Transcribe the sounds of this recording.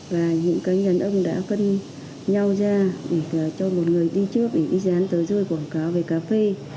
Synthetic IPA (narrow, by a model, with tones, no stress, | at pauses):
vaː˨˩ɲɨ̰˧˥ŋkaː˨˦jɲə˨˩nʔə˧wŋ͡mɗa̰ː˧˥fə˧n | ɲa˧wzaː˧ɗe˧˩˨t͡ɕɔ˧mo˨˩t̚ŋɨ˨˩əjɗi˧t͡ɕɨ˦˥ək̚ɗe˧˩ɗi˧zaː˨˦nt̪əː˨˦jzo˧jkwaː˧˩ŋkaː˨˦wve˨˩kaː˨˦fe˧